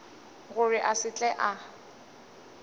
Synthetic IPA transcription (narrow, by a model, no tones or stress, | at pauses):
ɣʊrɪʔasɪt͡ɬʼɛʔa